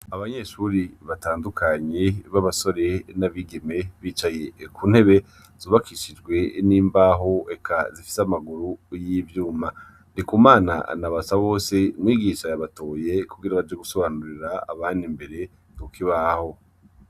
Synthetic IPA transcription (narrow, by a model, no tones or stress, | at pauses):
aβaɲe̞ʃuːɾiβataːndukʰaɲeβaβaso̞ɾe̞naβiɡe̞me̞βiːt͡ʃaje̞kʰuːn̥he̞βe̞ | zuβakʰiʃid͡ʒɡwe̞niːmbaːɦo̞ekʰazifi̥samaɡuɾujiːvjuːma | nikumaːna̰naβasaβo̞ːse̞mwiːɡiʃajaβato̞ːje̞kuɡiɾaβad͡ʒe̞ɡuso̞βanuɾiɾaa̰βaːndimbe̞ɾe̞ | nukiβaho̞